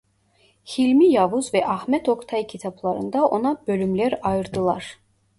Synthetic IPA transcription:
hilʲmijɑvuzvɛʔɑhmɛt̪ʰo̞kt̪ʰɑjcʰit̪ʰɑblˠɑɾɯnd̪ɑʔo̞nɑb̥ø̞lʲymlʲæɾɑjɯɾd̪ɯlˠɑɾ̥

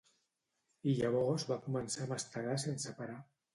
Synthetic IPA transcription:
iʎaβ̞ɔzβakumənsaməst̪əɾasensəpaɾa

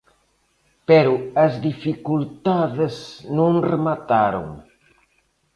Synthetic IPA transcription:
pɛɾuɐzðifikult̪aðeznõŋremat̪aɾo̰ŋ

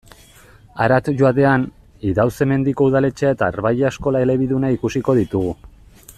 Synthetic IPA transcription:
aɾat̪ʝoat̪e̞an | iðawse̞me̞nd̪iko̞uðale̞t͡ʃeae̞t̪aːɾβajesko̞lae̞le̞β̞iðunaikusiko̞ðit̪uɣu

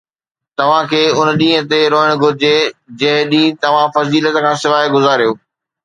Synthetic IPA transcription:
t̪ɐʋ̤ãkʰeːʊnɗĩːɦə̃t̪eɾoːɦɪɽ̃ɡʱʊɾɪd͡ʑed͡ʑɐ̃ɦɪ̃ɗĩːt̪ɐʋ̤ãfɐziːlət̪kʰãːsɪʋaːeɡʊzaːɾijoː

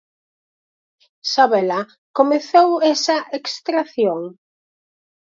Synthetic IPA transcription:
saβɛlɐ | komeθowɛsɐʔekst̪ɾaθjoŋ

